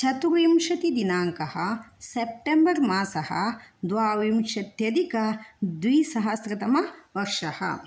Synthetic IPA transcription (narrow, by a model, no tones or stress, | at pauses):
t͡ʃʰɐt̪uɾimʃɐt̪id̪inaːŋkɐhɐsep̚ʈembɐɾmaːsɐhɐ̰d̪ʋaːʋimʃɐt̪jɐd̪ikɐd̪ʋiːsɐɦɐsɾɐt̪ɐmɐʋɐɾʂɐhɐ̰